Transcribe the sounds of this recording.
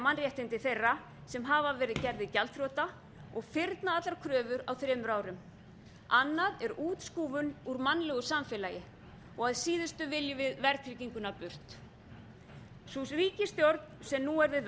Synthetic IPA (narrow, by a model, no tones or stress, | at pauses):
manrjɛht̪ɪnt̪ɪθejra | sɛmɦaːvavɛːɾɪðcɛɾðɪcɛlt̪ɾɔːt̪a | ɔɣfɪɾt̪naat̪laɾkʰɾœːvʏɾawθɾɛːmʏɾaːwɾʏm | anːaðɛɾuːt̪skuːvʏnuɾmanlɛɣʏsamfɪlajɪ | ɔɣaðsiːðʏst̪ʏvɪljɪvɪðvɛɾt̪ʰɾiciŋkʏnapʏr̥t̪ | susriːcɪst̪jɔɾt̪nsɛmnuɛɾðɪ